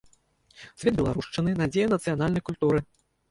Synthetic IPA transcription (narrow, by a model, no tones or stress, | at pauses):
sʲvʲɛd̪̚bʲɛlˠaɾuʂt͡ʂɨnɨnad͡zʲejɐnɐt̪sɨjanalʲnɐjkulʲt̪uɾɨ